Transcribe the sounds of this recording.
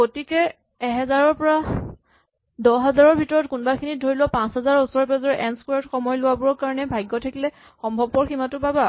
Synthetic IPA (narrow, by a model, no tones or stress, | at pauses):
ɡotikɛ | ɛɦɛzaɹɔɹpɔɹa | dɔɦɛzaɹɔɹbʱitɔɹɔtkunbakʰinidʱoɹilɔpãnsɦɛzaɹusɔɹɔpɛzɔɹɛʔɛnskwaɔtxɔmɔjlʊwabʊɹɔɹkaɹɔnɛbʱajɡːɔtʰakilɛ | xɔmbʱɔbpɔɹximatʊbaba